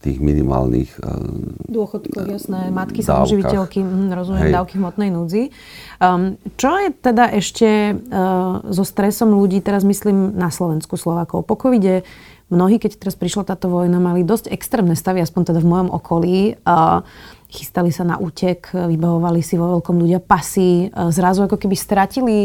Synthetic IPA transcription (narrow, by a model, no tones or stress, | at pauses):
t̪ḭːɣminḭma̰ːlnḭx | d̪ʊɔxɔt̪kɔsnɛmat̪kisaʒiʋicɛlkim̩ɦm̩ɾɔzumɪɛmdd̪aʊkiɦmɔt̪nɛjnuːd͡zi | t͡ʃɔjɛt̪ɛd̪aʔɛʃcɛ | zɔst̪ɾɛsɔmluɟiːt̪ɛɾazmisliːmnaslɔʋɛnskuslɔʋaːkɔʊpɔkɔʋiɟɛ | mnɔɦiːkɛct̪ɛɾaspɾiʃlat̪aːt̪ɔʋɔjnamalid̪ɔscɛkst̪ɾɛːmnɛst̪aʋiaspɔɲt̪ɛd̪avmɔjɔmʔɔ̰kʰɔliː | xi̥st̪alisana̰ʔuːcʰɛkʋibaʋɔʋalisiʋɔʋɛlkɔmluɟɪapasizɾazuakɔkɛbist̪ɾacili